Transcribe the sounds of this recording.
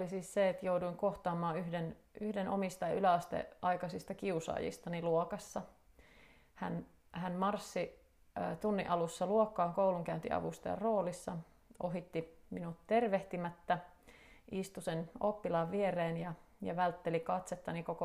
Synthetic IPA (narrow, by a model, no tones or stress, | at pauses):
olisiːsseet̪jouduiŋkoht̪ɑːmɑːyhdenʔyhdenʔo̰mist̪ɑylæɑst̪ḛʔɑikɑsist̪ɑkiusɑ̰ːjḭst̪ɑniluokɑsːɑ | hæ̰n | hænmɑrsːi | t̪unːḭʔɑlusːɑluokːɑːŋkouluŋkæynt̪ḭʔɑ̰ʋust̪ɑ̰jɑ̰roːlisːɑ | ʔo̰ɦit̪ːiminut̪t̪erʋeht̪imæt̪ːæ | ist̪usenopːilɑʋʋiereːnjɑjɑ̰ʋælt̪ːelikɑt̪set̪ːɑnikoko